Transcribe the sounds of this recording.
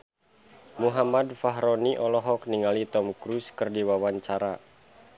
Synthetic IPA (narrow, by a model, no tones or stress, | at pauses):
muɦamadfaɦɾɔniʔɔlɔɦɔkniŋalit̪ɔmkɾuskɨrdiwawaɲt͡ʃaɾa